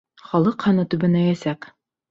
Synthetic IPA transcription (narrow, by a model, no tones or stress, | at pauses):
χɒlˠɤqhɑnɤt̪ʉbɘ̆næjæsæk